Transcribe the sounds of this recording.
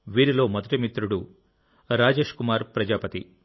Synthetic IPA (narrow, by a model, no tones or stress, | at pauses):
ʋiːɾilo̞ːmɐd̪ɐʈimit̪ɾuɽu | ɾaːd͡ʒe̞ːʂkumaːɾpɾɐd͡ʒaːpɐt̪ḭ